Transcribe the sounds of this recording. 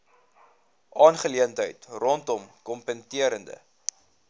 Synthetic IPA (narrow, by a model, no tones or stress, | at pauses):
ʔɑːnχəliəntɦəjtrɔntɔmkɔmpəntiəɾəndə̰